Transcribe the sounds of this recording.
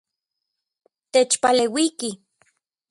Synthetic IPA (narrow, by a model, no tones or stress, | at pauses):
t̪et͡ʃpalewiki